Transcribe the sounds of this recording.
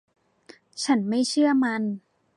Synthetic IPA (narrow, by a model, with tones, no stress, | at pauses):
t͡ɕʰa˦˥nma˥˩jt͡ɕʰɯ˥˩ɐma˧n